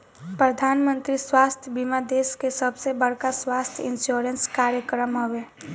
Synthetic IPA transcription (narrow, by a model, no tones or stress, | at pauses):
pɾəd̪ʱaːnmə̃nt̪ɾiswaːst̪ʰjəbimad̪eːskesəbʱsebəɽkaswaːst̪ʰjɪnsjoɾenskaːɾjəkɾəmɦoweː